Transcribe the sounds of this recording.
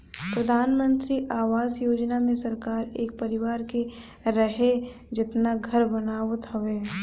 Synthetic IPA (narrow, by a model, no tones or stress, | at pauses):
pɾɐd̪ʱaːnmə̃nt̪ɾiʔaːʋaːzjoːd͡ʒnamẽsɐɾkaːɾeːk̚pɐɾɪʋaːɾke | ɾɐɦe | d͡ʒɪt̪naɡʱɐɾbɐnaːʋt̪ɦoʋeː